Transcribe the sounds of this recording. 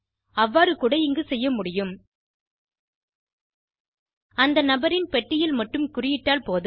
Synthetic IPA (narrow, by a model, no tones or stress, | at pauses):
ɐʋːaːɾɯkʊːɽɐɪŋɡɯsɛjːɐmʊɽɪjɯm | ɐnd̪ɐnɐbɐɾɪnpɛʈːɪjɪlmɐʈːɯmkʊrɪjɪʈːaːlpoːð